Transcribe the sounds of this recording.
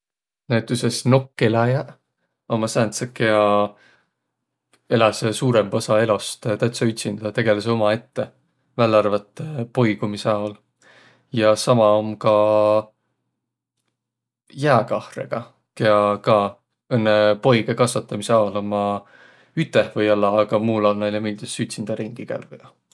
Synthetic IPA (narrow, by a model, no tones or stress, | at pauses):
næt̪ːˑysesno̞kːelæjɑ | o̞mɑsænt̪sɑkeɑ | e̞lɑsesuːɾemosɑe̞lost̪t̪æt̪sɑyt̪ʲsind̪̥ɑd̪ɑt̪e̞ɡ̥e̞leseo̞mɑe̞t̪ːe̞ | vælːɑrvɑt̪ːˑpo̞jɡumiseɑol | jɑsɑmɑomkɑ | jæːkɑhrḛɡ̥ɑ | ke̞ɑkɑ | ɤnːepo̞jɡekɑsvɑt̪ːˑɑmiseɑolomɑ | yt̪ːˑehvɤjɑlːɑːɡ̥ɑmuːlonnɑnemilʲd̪esyt̪ʲsind̪̥ɑɾiŋɡ̥iɡ̥æ̰lɡud̪̥ɑ